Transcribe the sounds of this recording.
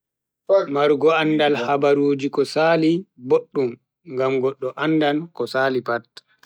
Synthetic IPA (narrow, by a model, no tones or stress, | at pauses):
maɾɡɔandalhabaɾuːd͡ʒikɔsaːliboɗːum | ŋɡamɡɔɗːɔʔandankɔsaːlipat